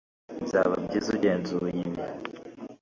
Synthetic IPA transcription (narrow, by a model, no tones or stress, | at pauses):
nzaβa̰bɟizuɟeːnzuujimja